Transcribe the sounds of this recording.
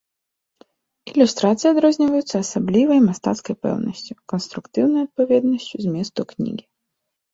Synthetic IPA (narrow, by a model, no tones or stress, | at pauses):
ilʲust̪ɾat̪sɨjɐd̪ɾɔzʲnʲivɐjut̪sːɐːsablʲivɐjmast̪a̰t̪skɐjpɛ̰wnɐ̰sʲt͡sʲukɔnst̪ɾukt̪ɨwnɐjɐt̪̚pavʲɛd̪nɐsʲt͡sʲuzmʲɛst̪uknʲḭɡʲi